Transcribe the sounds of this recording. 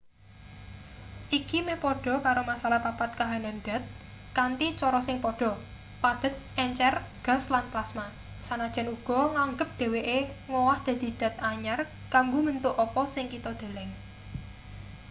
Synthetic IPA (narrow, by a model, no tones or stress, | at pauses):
ʔikimepɔɖ̥ɔ̤kaɾomasalahpapat̪̚kaɦananɖ̪a̤t̪̚ | kant̪it͡ʃɔɾɔsɪŋpɔɖ̥ɔ̤ | pad̪̥ə̤t̪̚ʔɛɲt͡ʃɛrɡ̥a̤slanplasma | sanad̥ʒ̥a̤nuɡ̥ɔ̤ŋaŋɡəp̚d̪̥e̤weʔeŋɔwahd̪̥a̤d̪̥i̤d̪̥a̤t̪̚aɲar | kaŋɡomənt̪ʊʔɔpɔsɪŋkit̪ɔd̪̥a̤lɛŋ